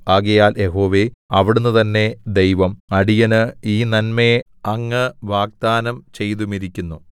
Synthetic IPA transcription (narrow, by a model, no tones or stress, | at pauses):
aːɡɐjaːlje̞ɦo̞ːʋe̞ɐʋiɽunːut̪ɐnːe̞d̪ejʋɐmɐɽijɐnɨiːnɐnme | ɐŋːɨʋaːɡ̚d̪aːnɐmt͡ɕe̞jt̪umiɾikʲːunːu